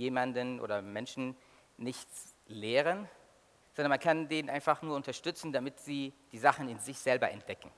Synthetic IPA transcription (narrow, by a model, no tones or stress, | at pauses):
jeːmandənʔo̰ːdɐmɛnʃn̩ | nɪçt͡sleːʁən | z̥ɔndɐnmankʰandeːnʔaɪnfaχnuːɐʊntɐʃtʏt͡sn̩damɪtz̥iːd̥iːzaχn̩ɪnzɪçz̥ɛlbɐʔɛ̰nt̚d̥ɛkŋ̩